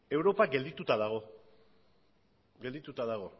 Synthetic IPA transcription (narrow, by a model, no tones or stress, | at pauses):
e̞wɾo̞paɡe̞ld̪it̪ut̪aðaɣ̞o̞ | ɡe̞ld̪it̪ut̪aðaɣ̞o̞